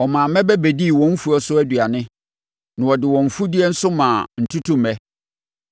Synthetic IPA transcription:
ɔ˨mã˨˦mɛ̃˦bɛ˦bɛ˨di˦˨wɔ̃˦m̩˦fu˨ɔ˦sʊ˦æ˦dɥa˨nɪ̃˦ | nʊ̃˨wɔ˨dɪ˨wɔ̃˨ɱ̩˨fu˦di˦ɛ˦n̩˦sʊ˦mãː˨n̩˨tʰu˦tʰũ˦m̩˨ɛ˦

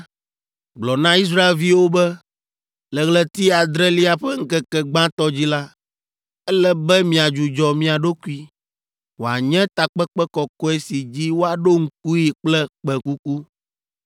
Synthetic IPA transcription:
ɡ͡blɔ˨nã˦i˦s̬ɾa˦e˨lvi˦wo˦bɛ˦ | lɛ˨ɣlɛ˨t̪i˦a˨d̪ɾɛ˦li˦a˨ɸɛ˦ŋ̩˦kɛ˦kɛ˨ɡ͡bã˦t̪ɔ˦d͡ʑi˦la˦ | ɛ˦lɛ˦bɛ˦mĩ˨a˨d͡ʒu˨d͡ʒɔ˨mĩ˦a˨ɖo˦ku˦i˦ | wo˨a̰˨ɲɛ̃˦t̪a˨k͡pɛ˦kk͡pɛ˦kɔ˨kɔ˦e˦si˨d͡ʑi˦wo˦a˨ɖo˦ŋ̩˦k̚u˦ji˨k͡plɛ˦k͡pɛ˨ku˦ku˦

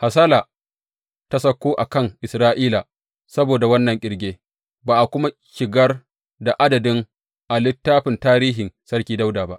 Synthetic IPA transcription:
ha˨s̬aː˦laː˨ | ta˦sɐ˦kʷːoː˦ʔa˨kɐ˦˨ŋʔɪ˨sɾaː˦ʔiː˦la˨ | sɐ˦boː˨da˨wɐ˦nːɐ˨ŋkʲʼɪ˨ɽɡʲeː˦ | baː˨ʔa˨kʷʊ˦ma˦ | ʃɪ˨ɡɐ˦r | da˨ʔa˦dɐ˨dɪ˦ŋ | ʔa˨lɪ˦tːaː˦ɸɪ˨ntaː˦ɾiː˦ɦɪ˨nsɐ˦ɽkʲiː˦da˦wdaː˨ba˦ʔ

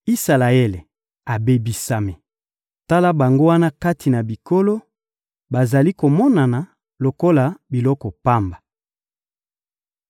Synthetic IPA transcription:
i˦sa˨la˨e˦le˨ | a˨be˨bi˨sa˨me˨ | ta˦la˦ba˨ŋɡo˦wa˦na˦ka˦ti˨na˨bi˨ko˦lo˦ | ba˨za˨li˦ko˨mɔ˦na˨na˨ | lo˨ko˦la˨bi˨lɔ˦kɔ˨pa˦mba˨

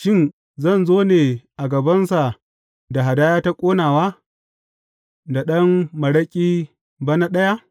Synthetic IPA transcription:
ʃɪ˦n | zɐ˦˨nzoː˦neː˨ʔa˨ɡɐ˨bɐ˦nsa˨ | da˨ɦa˨daː˦jaː˦ta˦kʷʼoː˦naː˨waː˦ | da˨ɗɐ˦mmɐ˨ɽɐ˦kʲʼiː˦ | ba˦na˦ɗɐ˦ja˦

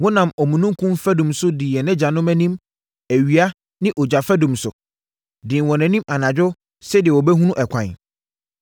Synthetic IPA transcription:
wɔ̃˦nã˨mɔ˨mũ˨nũ˦ŋ˦kʰũ˦mfæ˦dũ˨msʊ˦dɪ˨jɛ˨nɛ̃˦d͡ʑa˨nʊ̃˦mæ̃˦nĩ˦m | æ˨ɥi˨a˦ | nɪ̃˦ʔɔ˨d͡ʑa˨fɛ˦dũ˨msʊ˨ | dɪ̃˨nwɔ̃˨nɛ̃˨nĩ˦mʔa˨nã˨d͡ʑᶣʊ˦ | sɛ˦dɪ˨ɛ˨wɔ˨bɛ˦ɦũ˦nũ˦ʔɛ˨kʷʰã̰˨n

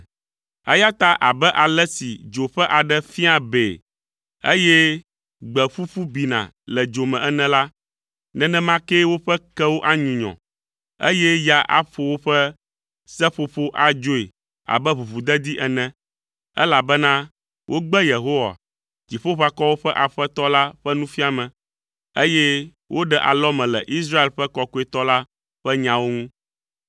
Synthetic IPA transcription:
ɛ̰˦ja˦t̪a˦ʔa˨bɛ˦ʔa˨lɛ˦sḭ˨d͡ʒo˨ɸɛ˦ʔa˨ɖɛ˦fi˦a˨be˨ | e˦jɛ˦ | ɡ͡bɛ˨ɸu˦fu˦bi˨nã̰˨ | lɛ˨d͡ʒo˨mɛ̃˨ʔɛ˦nɛ̃˦la˦ | nɛ̃˨nɛ̃˦mã˦ke˦wo˦ɸɛ˦kɛ˦wo˦ʔa˦ɲũ˨ɲɔ̰̃˨ | ḛ˦jɛ˦ja˦ʔa̰˦ɸo˨wo˦ɸɛ˦ | sɛ˦ɸo˨ɸo˦ʔa˨d͡ʒo˦e˨ | a̰˨bɛ˦βu˨βu˨d̪ɛ˦d̪i˦ʔɛ˨nɛ̃˦ | ɛ̰˦la˨bɛ˦nã˦ | wʔo˦ɡ͡bɛ˦je˨ɦo˦wa̰˨ | d͡ʑi˨ɸo˦ɸa˨kɔ˦wo˦ɸɛ˦ʔa˨ɸɛ˦t̪ɔ˦la˦ɸɛ˦nũ˦fi˦a˨mɛ̃˨ | e˦jɛ˦ | wʔo˦ɖɛ˦ʔa̰˨lɔ˦mɛ̃˨lɛ̰˨ʔi˦s̬ɾa˦e˨lɸɛ˦kɔ˦ko˦e˨t̪ɔ˦la˦ | ɸɛ˦ɲã˦wo˦ŋũ˦

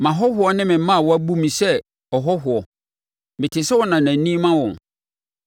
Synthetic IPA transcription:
mã˨ɦɔ˦hʊ˨˦ɔ˦nɪ̃˦mɪ̃˨˦mã˦˨wɔ˦æ˦bu˦mĩ˨sɛ˦ | ɔ˨ɦɔ˦ɦʊ˨ɔ˨ | mɪ̃˨tʰɪ˨sɛ˦wɔ˦nã˨næ̃˨nĩ˦mã˦wɔ̃˨

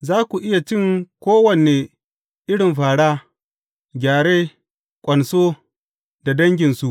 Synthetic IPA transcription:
zaː˦kʷu˨ʔɪ˦ja˨t͡ʃɪ˦ŋkʷoː˦wɐ˨ne˨ | ʔɪ˦ɽɪ˨mɸaː˨ɽaː˦ | ɡʲaː˨ɽeː˦ | kʷʼɐ˨nsoː˦ | da˨dɐ˦ŋɡʲɪ˨nsu˨ʔ

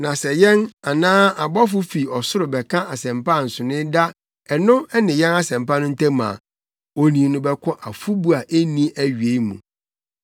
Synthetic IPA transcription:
nã˨sɛ˨jɛ̃˦na˨nãː˦a˨bɔ˦fʊ˦fi˨ɔ˨sʊ˦ɾʊ˨bɛ˨kʰã˦a˨sɛ̃˨mpã˦˨n̩˨sʊ˨nɪ̃˦da˦ | ɛ˨nʊ̃˦ɛ˦nɪ̃˨jɛ̃˦na˦sɛ̃˨mpa˦nʊ̃˦n̩˦tʰɛ̃˦mã̰ː˨ | o˨nĩ˨nʊ̃˦bɛ˦kʰɔ̃˦ʔa˨fu˦bu˦a˨ʔe˦nĩ˦æ˦ɥɥe˨˦mṵ̃˨

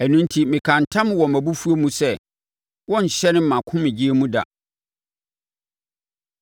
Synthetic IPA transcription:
æ˨nũ˦n̩˦tʰi˨mɪ̃˨kʰã˨n˨tʰã˦m˦wɔ˨mæ̃˨bu˦fu˦o˦mũ˦sɛ˦ | wɔ̃˦ɲ̩˨ɕɛ˦nɪ̃˦m̩˦˨ã˨kʰʊ̃˦mɪ̃˨d͡ʑi˦e˦mũ˦da̰˨

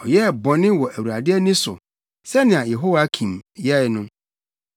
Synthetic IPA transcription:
ɔ˨jɛ˦˨bɔ̃˨nɪ̃˦wɔ˨ʔæ˨wu˨ɾa˨dɪ˦ɛ˦nĩ˦sʊ˨ | sɛ˦nɪ̃˨a˨jɛ˨ɦo˦wa˨˦kʰĩ˨mjɛ˦nʊ̃˦

